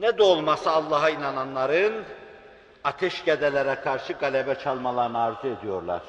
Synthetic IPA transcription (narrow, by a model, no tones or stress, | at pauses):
nɛd̪ɛolˠmasɯːlˠːɑɦainananlˠaɾɯn | at̪ʰɛʃɟed̪ɛlʲɛɾɛkʰaɾʃɯɡalʲɛbɛt͡ʃʰalˠmalˠaɾɯnaːɾzɯed̪ijo̞ɾlˠa̰ɾ̥